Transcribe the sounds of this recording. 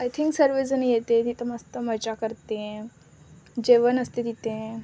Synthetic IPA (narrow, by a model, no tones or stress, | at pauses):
ajt̪ʰiŋksəɾʋed͡zənjet̪et̪it̪əmast̪əməd͡ʑakəɾt̪ẽ | d͡ʑeʋənəst̪ed̪it̪ẽ